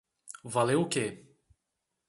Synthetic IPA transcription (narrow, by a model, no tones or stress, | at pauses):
valewʊke